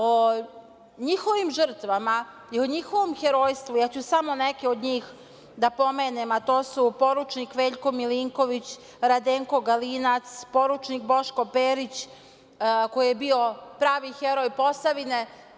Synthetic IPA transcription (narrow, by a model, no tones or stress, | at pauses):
o | ɲixo̞ʋimʒr̩t̪ʋama | ioɲixoʋomxeɾoːjst̪ʋujat͡ɕusamo̞nekeod̪ɲiːx | d̪apo̞me̞ːnemat̪o̞ːsupo̞ɾut͡ʃnikʋeːʎko̞miliŋko̞ʋit͡ɕ | ɾad̪eːŋko̞ɡalinat̪spo̞ɾut͡ʃnik̚bo̞ʃko̞peːɾit͡ɕ | ko̞jijebio̞pɾaːʋixeɾojpo̞saʋine̞